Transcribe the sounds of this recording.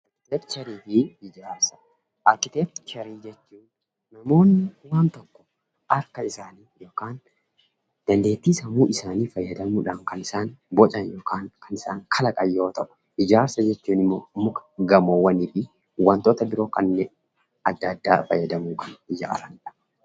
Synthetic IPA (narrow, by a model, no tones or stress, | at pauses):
lɛtt͡ʃɐɾiːfɪɪd͡ʒaːɾsɐ̥ | ʔɐkːɪt̪eːft͡ʃɐɾiːd͡ʒɛt͡ʃːuːnː | ɐmo̞ːnːɪwaːnt̪ɔkːɔ̥ | ʔɐɾkːɐɪsaːniːjo̞ːkaːn | d̪̥ɐnd̪e̞ːt̪ːiːsɐmuːʔɪsaːniːfɐjːɐd̪ɐmuːᶑɐŋkɐnɪsaːnbɔt͡ʃʼɐnjoːkaːŋkɐnɪsaːŋkʰɐlɐkʼɐjːo̞ːt̪ɐʔʊ̥ | ɪd͡ʒaːɾsɐd͡ʒɛt͡ʃːuːnɪmːoːmʊkɐ̥ɡɐmoːwɐniːfɪ | wɐnt̪oːt̪ɐbɪɾo̞ːkɐnːɛ | ɐd̪ːɐd̪ːaːfɐjːɐd̪ɐmuːkɐnɪd͡ʒa̰ːɾɐnɪᶑɐ̥